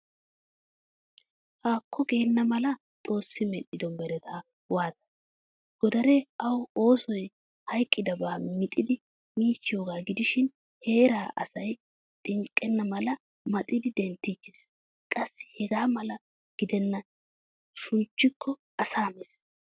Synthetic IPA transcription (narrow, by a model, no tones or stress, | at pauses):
haːkʰːɔɡe̞ːnːɐmɐlɐ | t̪ʼo̞ːsːɪmɛɗːɪd̪ɔmbɛɾɛt̪ʰaː | waːt̪ɐ̥ | ɡ̥ɔd̪ɐɾɛɐwo̞ːsɔj | hɐjkʼːɪd̪ɐbaːmɪt̪ʼɪd̪ɪ | miːt͡ʃːɪjoːɡaːɡɪd̪ɪʃɪn | he̞ːɾaːʔɐ̰sɐj | t̪ʼɪŋkʼːɛnːɐmɐlɐ | mɐt̪ʼɪd̪ɪd̪ɛnt̪ːit͡ʃːɪs | kʼɐsːɪ̥hɛɡaːmɐlɐ | ɡ̥ɪd̪ɛnːɐ | ʃʊnt͡ʃːɪkʰːɔ | ɐsaːmɛs